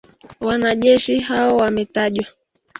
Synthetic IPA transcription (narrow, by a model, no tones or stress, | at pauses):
wanaʄɛʃiɦaɔwamɛtaʄwa